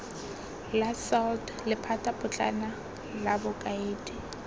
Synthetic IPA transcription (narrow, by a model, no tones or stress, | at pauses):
lasɔld | lɪpʰatʼapʼʊt͡ɬʼa̰na | labʊkʼaeːdʼi